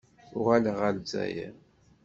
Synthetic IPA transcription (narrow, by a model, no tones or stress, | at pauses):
ʊʁæləʁælzæ̰jæ̰